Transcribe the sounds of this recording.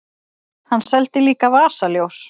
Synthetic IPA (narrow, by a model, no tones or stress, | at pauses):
hanːsɛlt̪ɪliːkavaːsaljows